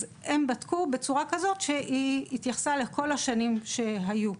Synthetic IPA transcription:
e̞mbatkube̞t͡suʁakazo̞tʃe̞ʔiit̪jaχsale̞ko̞laʃanimʃe̞ɦaju

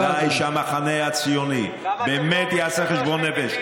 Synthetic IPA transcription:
ajʃamaχaneat͡sijoni | beːmɛt̪jɛaseχeʃbonːɛfɛʃ

